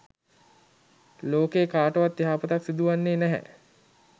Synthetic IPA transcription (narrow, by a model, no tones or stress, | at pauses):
loːkeːkaːʈəʋat̪ːiɦaːpət̪aksid̪uʋanːeːnæɦɛ̰